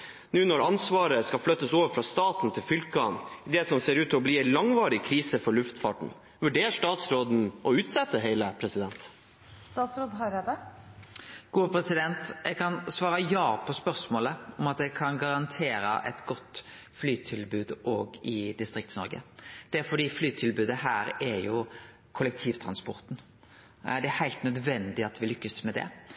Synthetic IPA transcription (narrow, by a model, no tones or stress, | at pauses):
nʉːnɔɾɑnsʋɑːɾəskɑflœt̪ːəsoːʋəɾfɾɑːst̪ɑːt̪n̩t̪ʰɪlfʏlkɑnd̪ɛːsɔmseːɾʉːt̪ʰːɔbliːɛɪnlɑŋʋɑːɾɪkʰɾiːsəfɔɾɭʉft̪fɑ̰ːʈɳ̩ | ʋʉɖeːɾʂt̪ɑːt̪sɾoːd̪n̩ʔɔʉːt̪sɛt̪ːəɦæɪləpʰɾɛsɪd̪ɛnt̪ | st̪ɑːt̪sɾoːd̪ɦɑɾɛd̪ə | ɡ̥uːəpʰɾɛsɪd̪ɛnt̪ʔɛɡkʰɑnsʋɑːɾəjɑːpʰɔspœʁsmoːləɔmɑt̪̚d̪ɛkʰɑnɡɑɾɑnt̪ʰeːɾə̰ʔɛ̰t̪ɡɔt̪ː | flyːt̪ʰɪlbʉːd̪oːɡɪd̪ɪst̪ɾɪkt̪snɔɾɡə̰d̪̥ɛfɔɖ̪iːflyːt̪ʰɪlbʉːd̪əhæːɾæɾjʊ | kʰʊlɛk̚t̪ʰiːʋt̪ʰɾɑnspɔɾt̪n̩ | d̪ɛæhæɪlt̪nœd̪ʋɛnd̪ɪɑt̪ʋɪlʏkːəsmɛd̪ɛ̰